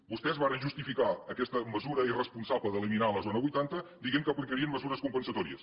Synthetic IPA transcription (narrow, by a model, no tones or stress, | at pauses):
bust̪ɛzβaɾənʒust̪ifikaəkɛst̪əməzuɾəirəspunsaβləðəliminaləzonəβujt̪ant̪əd̪iɣemkəplikəɾiəmməzuɾəskumpənsət̪ɔɾḭəs